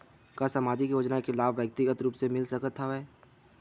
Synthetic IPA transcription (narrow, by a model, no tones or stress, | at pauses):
kasamaːd͡ʒɪkjoːd͡ʒnaekʰɪlaːbʋjək̚t̪ɪɡət̪ɾuːpsemɪlsəkət̪ɦaɛ